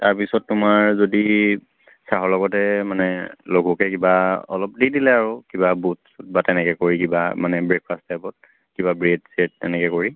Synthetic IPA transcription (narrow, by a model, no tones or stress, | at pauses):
taɹpisɔtːʊmaɹzodi | saɦɔlɔɡɔtɛmanɛloɡʱukɛkibaɔ̰lɔp̚didilɛaɹukibabutsut̚batɛnɛkɛkoɹikibamanɛbɹek̚pʰastɛpɔt̚ | kibabɹedset̚ːɛnɛkɛkoɹi